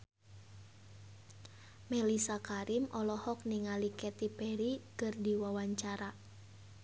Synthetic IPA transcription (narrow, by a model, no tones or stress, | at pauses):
mɛlisakaɾimʔɔlɔhɔk̚niŋalikɛt̪ipɛɾikɨrdiwawaɲt͡ʃaɾa